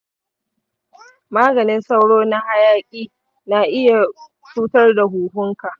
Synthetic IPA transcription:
maː˦ɡɐ˨nɪ˦nsa˦wɽoː˦na˦ha˦jaː˦kʲʼiː˦ | na˨ʔɪ˦ja˨ | suː˦tɐ˦rda˨ɦuː˨hʊ˦ŋka˨ʔ

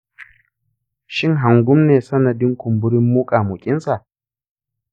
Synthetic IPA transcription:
ʃɪ˦˨ŋɦa˨ŋɡʷʊ˦mneː˨sɐ˦nɐ˨dɪ˦ŋkʷʊ˨mbʊ˦ɾɪ˦mːuː˦kʼaː˨mʊ˨kʲʼɪ˦nsa˨ʔ

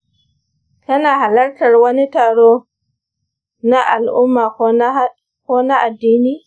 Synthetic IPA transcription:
ka˦na˨ɦa˨la˦ɾta˨ɾwɐ˦ni˦ta˨ɽo˦ | na˦ʔa˨lʔʊ˦mːa˨ | ko˦na˦ʔa˨dːiː˦ni˦

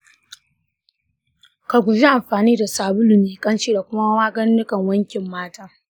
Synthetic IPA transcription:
ka˨ɡʷʊ˨d͡ʒi˦ʔa˨mɸaː˨niː˦da˨saː˨bʊ˦lʊ˨miː˨kʼɐ˦nt͡ʃiː˦da˨kʷʊ˦ma˦wɐ˦maː˦ɡɐ˦nːɪ˦kɐ˨ŋwɐ˦ŋkʲɪ˨mːaː˦taː˦

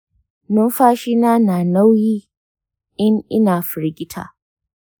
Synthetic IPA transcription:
nʊ˦mɸaː˦ʃi˦naː˦naː˨na˦wjiː˦ | ʔɪ˦ŋʔɪ˦naː˨ɸɪ˨ɾɡʲɪ˦tʰa̰ː˨

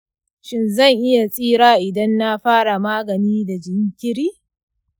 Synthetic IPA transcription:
ʃɪ˦nzɐ˦˨ŋʔɪ˦ja˨sʼiː˦ɽaː˦ʔɪ˨dɐ˦nːa˦ɸaː˦ɽa˨maː˦ɡɐ˨niː˦da˨d͡ʒɪ˦ŋkʲɪ˦ɾiː˦

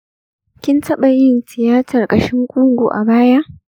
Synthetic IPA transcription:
kʲɪ˦ntʰɐ˦ɓa˨jɪ˦nsɪ˨jaː˦tʰɐ˨rkʼɐ˨ʃɪ˦ŋkʷʼʊ˦ŋɡʷu˨ʔa̰˨baː˦ja˦ʔ

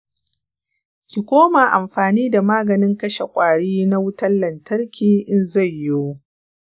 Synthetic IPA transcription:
kʲi˨kʷoː˦ma˨ʔa˨mɸaː˨niː˦da˨maː˦ɡɐ˨nɪ˦ŋkɐ˦ʃe˨kʷʼaː˨ɽiː˦na˦wʊ˦tɐ˦lːɐ˨ntɐ˦rkʲʰiː˨ʔɪ˦nza˦˨jːo˦wo˦

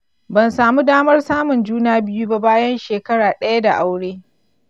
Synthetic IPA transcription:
bɐ˨nsaː˨mu˦daː˦mɐ˦rsaː˦mʊ˨nd͡ʒuː˦naː˦bɪ˦ju˦ba˦baː˦jɐ˦nʃeː˨kɐ˦ɽaː˨ɗɐ˦ja˦da˨ʔa˦wɽeː˦

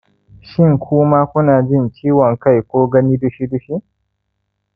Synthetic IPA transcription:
ʃɪ˦ŋkʷʊː˦maː˦kʷʊ˦naː˨d͡ʒɪ˦nt͡ʃiː˦wɔ˨ŋka˦˨jkʷoː˦ɡɐ˦ni˦dʊ˦ʃi˦dʊ˦ʃi˦ʔ

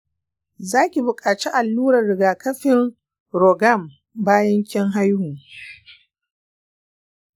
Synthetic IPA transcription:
zaː˦kʲi˨bʊ˨kʼaː˨t͡ʃi˦ʔa˨lːuː˦ɾɐ˨rːɪ˨ɡaː˨kɐ˦ɸɪ˦ŋ | ɾɔ˨ɡa˦˨m | baː˦jɐ˦ŋkʲɪ˦ŋɦa˦jhʊ˨

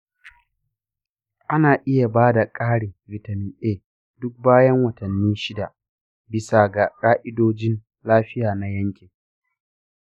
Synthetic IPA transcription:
ʔa˦naː˨ʔɪ˦ja˨baː˦da˨kʼaː˦ɽeː˨vɪ˨ta˨mɪ˨nʔeː˦ | dʊ˦k̚baː˦jɐ˦ŋwɐ˨tɐ˨nːiː˦ʃɪ˦da˨ʔ | bɪ˨sa˨ɡa˨kʼaː˦ʔɪ˦doː˦d͡ʒɪ˦n | laː˦ɸɪ˦jaː˨na˨jɐ˦ŋkʲe˨

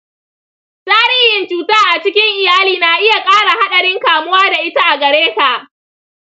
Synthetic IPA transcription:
sʼaː˦ɽɪː˦jɪ˨nt͡ʃuː˨taː˦ʔa˨t͡ʃɪ˦kʲɪ˦ŋʔɪ˨jaː˦liː˨na˨ʔɪ˦ja˨kʼaː˦ɽa˨ha˦ɗɐ˨ɽɪ˦ŋkaː˨mʊ˦waː˦da˨ʔɪ˦ta˦ʔa˨ɡɐ˨ɽeː˦ka˨ʔ

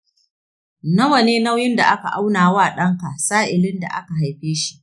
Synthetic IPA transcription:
nɐ˦wɐ˨neː˦na˦wjɪ˦nda˨ʔa˦ka˨ʔa˦wnaː˨waː˦˨ɗɐ˦ŋka˨ʔsaː˦ʔɪ˨lɪ˦nda̰˨ʔa̰˦ka˨ɦa˨jɸeː˦ʃi̥˦ʔ

